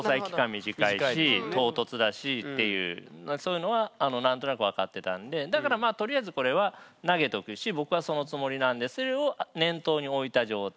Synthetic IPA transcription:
osaiki̥kamʲiʑikaiaɕit̪o̞ːt̪o̞t͡sɨd̪aɕit̪ːe̞jɯ̟̰ːso̞ːjɯ̟no̞βaːno̞nãnt̪o̞nakɯ̟βakat̪ːe̞t̪ã̰nd̪e̞d̪akaɾamaːt̪o̞ɾʲiaizɨko̞ɾe̞βanaɡe̞t̪o̞kɯ̟ɕibo̞kɯ̟βaso̞no̞t͡sɨmo̞ɾʲinãnd̪e̞sɨɾeo̞nẽ̞nt̪o̞ːɲ̟io̞it̪aʑo̞ːt̪

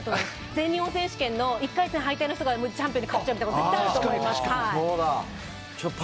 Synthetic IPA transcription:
t̪oe | d͡zẽ̞nʲioːsẽ̞ɕi̥kẽ̞nːo̞ikːait͡sɨnẽɦait̪einoçit̪oɡamot͡ɕãmpʲijoɲikakːoɯ̥t͡ɕːaɯmʲit̪kot̪ooeett̪ːajaɾɯoːmoimasaoːd̪a | t͡ɕop

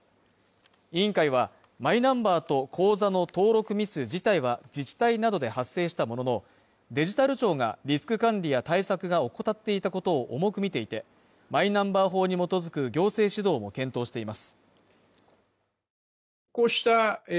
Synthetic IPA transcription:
ĩŋkaiβ̞a | maĩnãmbaːt̪o̞kʰo̞ːzano̞t̪o̞ːɾo̞kɯ̟mʲisɨd͡ʑit̪aiβad͡ʑit͡ɕi̥t̪ainad̪o̞d̪e̞hasːe̞ːɕi̥t̪amo̞no̞no̞ | d̪e̞ʑit̪aɾɯ̟t͡ɕo̞ːŋa̰ɾʲisɨ̥kɯ̟kãɲɾʲijat̪aisakɯ̟ɡao̞kot̪at̪ːe̞it̪ako̞t̪o̞ːʔomo̞kɯ̟mʲit̪e̞it̪e̞ | mainãmbaːɦo̞ːɲ̟imo̞t̪o̞zɨkɯ̟ɡʲo̞ːse̞ːɕid̪o̞ːmo̞kẽ̞nt̪o̞ːɕi̥t̪e̞imasɨ̥ | koɕi̥t̪a

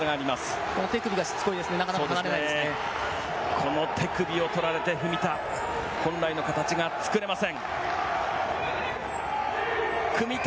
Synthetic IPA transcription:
ɡaːɾʲimasɨ̥ko̞no̞t̪e̞kɯ̟bʲiɡaɕi̥t͡sɨ̥ko̞id̪e̞sɨne̞nakanaakanaɾeaieese | kʰo̞no̞t̪ʰe̞kɯ̟bʲio̞t̪o̞ɾaɾe̞t̪e̞ɸɯ̟mʲit̪a | hõ̞nɾaino̞kat̪at͡ɕiɡat͡sɨ̥kɯɾe̞masẽ̞ŋ | kʰɯ̟mʲit̪

